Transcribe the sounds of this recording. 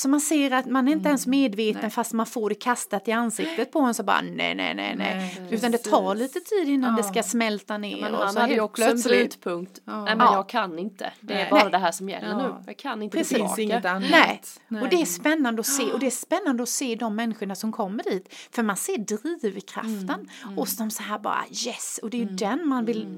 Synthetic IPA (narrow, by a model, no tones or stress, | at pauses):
sɔmanseːɾat̪manæɾɪnt̪̬əɛnsmeːd̪veːt̪ənfast̪manfoːɖɛkʰast̪at̪ɪansɪkt̪ət̪̚pʰɔhɛnsɔbɑ̰ːɾa̰nɛ̰nɛ̰nɛ̰nɛ̰jʉ̟ːt̪and̪ɛt̪ʰɑːɭiːt̪ət̪ʰiːd̪ɪnːand̪ɛskasmɛlt̪anḛːɾɔ̰sɔlœslːt̪pʰɵŋkt̪ɛɛjɑɡ̚kʰanːɪnt̪ə̰d̪ɛæb̪ɛːɾad̪ɛɦæːʂɔmjɛ̰lːənʉːjkʰanɪnp̪ɾɛs | nɛɔd̪ɛæʂpɛnːand̪əɔseːʔɔd̪ɛæʂpɛnːand̪əɔseːd̪ɔmːɛnːɪɧʊɳasɔmkʰɔmːəɖiːt̪fœɾmanseːdɾiːvkʰɾa̰ft̪ənɔsd̪ɔmsaɦæːɾbɑ̰ːɾa̰jɛsɔd̪ɛjɵd̪ɛnmanvɪl